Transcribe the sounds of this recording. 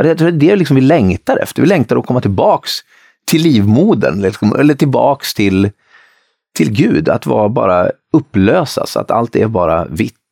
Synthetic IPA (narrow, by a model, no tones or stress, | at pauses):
d̪ɛjɑt̪ʰɾuːd̪ɛd̪ɛlɪksɔmvɪlɛŋt̪aɾɛ̰ft̪əɾvɪlɛŋt̪aɾɔkʰɔmːat̪ʰɪlbɑːks | t̪ʰɪlːiːvmuːd̪ə̰nlɪksɔmʔɛlːəʈɪlbɑːkst̪ʰɪl | t̪ʰɪlɡʉ̟ːd̪a̰t̪vɑ̰ːbɑ̰ːɾa | ɵpːløːsa̰sa̰t̪a̰lt̪ɛɾbɑːɾa̰vɪt̪ː